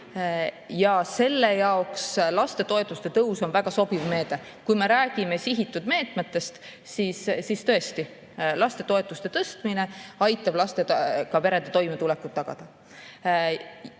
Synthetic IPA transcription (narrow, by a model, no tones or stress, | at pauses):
jɑse̞lːe̞jɑokslɑst̪e̞t̪o̞e̞t̪ːˑust̪e̞t̪ɤwso̞nvæɡ̥ɑso̞bivme̞ːd̪̥e̞ | kujme̞ɾæːɡ̥ime̞siɦit̪ːˑud̪̥me̞ːt̪me̞t̪ːˑe̞st̪ | siːssist̪ɤ̞e̞st̪i | lɑst̪e̞t̪o̞e̞t̪ːˑust̪e̞t̪ɤst̪mine̞ɑjt̪ːˑɑb̥lɑst̪ekɑpe̞ɾe̞nd̪et̪o̞jmet̪ulekut̪̚ːɑɡ̥ɑ̰d̪̥ɑ